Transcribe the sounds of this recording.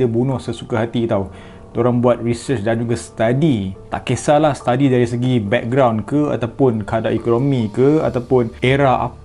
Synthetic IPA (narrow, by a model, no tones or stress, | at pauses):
əbunʊ̃hsəsu̥kaɦat̪it̪au | d̪oɾaŋbuat̪̚risət͡ʃdand͡ʒuɡasə̥t̪adit̪a̰ʔkesalahsə̥t̪adidaɾisəɡibɛk̚ɡɾawnkəa̰t̪awpʊnkəɦadaʔikonomĩkəa̰t̪awpʊneɾaa̰